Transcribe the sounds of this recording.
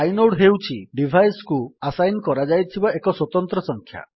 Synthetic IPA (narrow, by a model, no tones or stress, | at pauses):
ajnoɽɦewt͡ʃʰiɖibʱajskuasajnkɔɾad͡ʒajt̪ʰibaekɔswɔt̪ɔnt̪ɾɔsɔŋkʰja̰